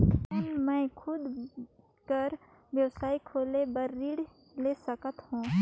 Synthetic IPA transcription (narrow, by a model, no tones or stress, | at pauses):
nmɛ̃ːkʰʊd̪ | kəɾ | ʋjəwsaːikʰoːlebəɾːiːɽ | leːsəkət̪hũː